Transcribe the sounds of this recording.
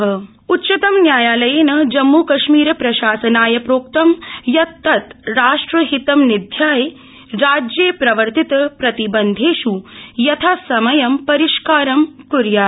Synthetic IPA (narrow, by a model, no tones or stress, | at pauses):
ɦɐ | utːt͡ʃɐt̪ɐmnjaːjaːlɐjeːnɐd͡ʒɐmːuːkɐʃmiːɾɐpɾɐʃaːsɐnaːjɐpɾoːk̚t̪ɐmjɐt̪ːɐt̪ɾaːʂʈɾɐɦit̪ɐmnid̪ʱjaːje | ɾaːd͡ʒjeːpɾɐʋɐɾt̪it̪ɐpɾɐt̪ibɐnd̪ʱeːʃujɐt̪ʰaːsɐmɐjɐmpɐɾiʃkaːɾɐmkuɾjaː